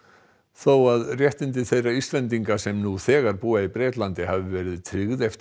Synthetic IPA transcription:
θowaðrjɛht̪ɪnt̪ɪθejrːaist̪lɛnt̪̬iŋkasɛmnuθɛːɣaɾpuːaipɾɛːt̪lant̪ɪhavɪvɛːɾɪðt̪ʰɾɪɣðɛft̪

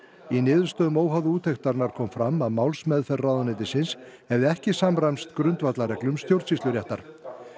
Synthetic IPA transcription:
inɪːðʏɾ̥st̪œːðʏmoːwɦaðʏuːt̪ʰext̪aɾnaɾ̥kʰɔːmfɾamaðmawlsmɛðfɛrrawðanɪt̪ɪsɪnshɛvðɪɛhcɪsamɾajmst̪kɾʏnt̪vat̪laɾɛklʏmst̪jowɾt̪sist̪lʏɾjɛht̪aɾ̥

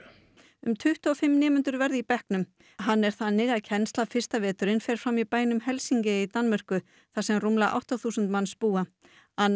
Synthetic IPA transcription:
ʏmt̪ʰʏht̪ɔːfɪmːnɪːmʏnt̪ʏɾvɛɾðipɛhknʏm | ɦanːɛɾ̥θanːɪɣaðcʰɛnstlafɪr̥st̪avɛːt̪ʏɾɪnfɛɾ̥fɾamipaːjnʏmɦɛlsiɲcɪit̪anmʏr̥kʏ | θasɛmrumlaʔa̰wht̪aθusʏnt̪manspuːa | a

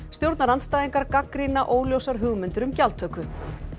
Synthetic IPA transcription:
st̪jowɾt̪naɾanst̪aːjðiŋkaɾkakɾinaʔoːwljowsaɾ̥ɦʏːɣmʏnt̪ʏɾʏmcalt̪ʰœːkʏ

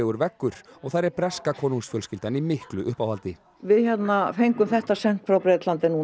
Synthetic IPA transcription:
ɛːɣʏɾvɛkːʏɾ̥ɔɣθaɾɛɾpɾɛskakʰɔːnuŋsfjœlscɪlt̪animɪhklʏʔʏhpawhalt̪ɪ | vɪðçɛt̪nafejŋkʏmθɛht̪asɛŋ̥kfɾawpɾet̪lant̪ɪnu

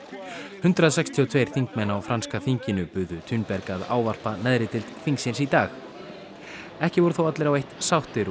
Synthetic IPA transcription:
hʏnt̪ɾaðsɛkst̪ʰiɔt̪ʰv̥ejɾ̥θiŋkmɛnawfɾanskaθiɲcɪnʏpʏðʏt̪ʰynpɛɾkaða̰ːwvar̥panɛðɾɪt̪ɪlt̪fiŋksɪnsit̪aːx | ɛhcɪvɔɾʏθowat̪lɪɾawejht̪sawht̪ɪɾ

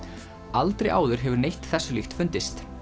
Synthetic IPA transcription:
alt̪ɾejʔa̰ːwðʏɾ̥ɦɛvʏɾnejht̪θɛsːʏlixt̪fʏnt̪ɪst̪

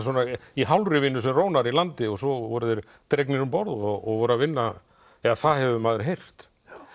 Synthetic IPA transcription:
swɔnaiɦawlrɪvɪnːʏsɛmroːwnaɾilant̪ɪɔɣsɔvɔɾʏðɛɾ | t̪ɾejk̬nɪɾʏmpɔɾðɔɣːɣvɔɾʏɾavɪnːa | ɛaθaðhɛvʏmaːðʏɾɦejr̥t̪

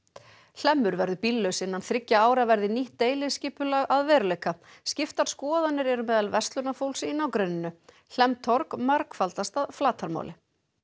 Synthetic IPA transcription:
ɬɛmːʏɾvɛɾðʏpilːœsɪnːanθɾɪcːaaːwɾavɛɾðɪniht̪ːeːjlɪðscɪːpʏlaɣaðvɛːɾʏleːjka | scɪft̪aɾ̥skɔːðanːɪɾɛɾʏmɛːðalvɛst̪lʏnafowlsɪɪnawkɾeːnɪnːʏ | l̥ɛmt̪ʰɔɾkmaɾkfalt̪ast̪aðflaːt̪ʰaɾma̰ːwlɪ

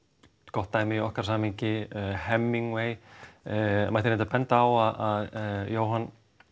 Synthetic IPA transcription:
kɔht̪ːaːjmɪiɔhkaɾ̥saːmiɲcɪhɛmːiŋweːj | majt̪ɪɾɛnt̪apɛnt̪aawaðaðjoːwɦan

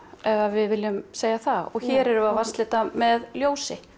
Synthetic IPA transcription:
ɛvavɪðvɪlʏmseːjaθaɔɣçɛːɾɛɾʏavarst̪lɪt̪amɛðljoːwsɪ

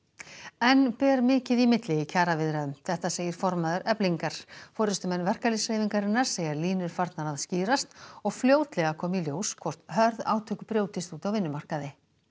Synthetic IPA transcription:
ɛnpɛːɾmɪːcɪðimɪt̪lɪicʰaːɾavɪðɾaðʏmθɛht̪aseːjɪɾ̥fɔɾmaːðʏɾʔɛpliŋkaɾ̥fɔːɾɪst̪ʏmɛnːvɛr̥kaliseːjviŋkaɾɪnaɾ̥seːjɣaɾliːnʏɾ̥faɾt̪nanaðsciːɾast̪ɔɣfljoːwt̪lɛɣakʰɔːmiljoːwskʰvɔr̥t̪ɦœɾða̰ːwt̪ʰœkʏ̥pɾjoːwt̪ɪst̪uːt̪awvɪnːʏmar̥kaðɪ

